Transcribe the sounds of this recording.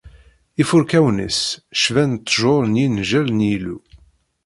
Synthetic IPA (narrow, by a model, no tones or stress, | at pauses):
ifʊɾkæwnə̰sʃvænt̪ˤːʒoɾˤnjinʒælnjilu